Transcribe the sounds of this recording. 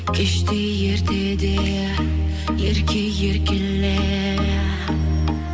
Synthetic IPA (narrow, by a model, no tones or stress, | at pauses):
ɪʃt̪ʰɪ | jeɾd̪ed̪e | jeɾkʲʰɪjeɾkʲɪlːe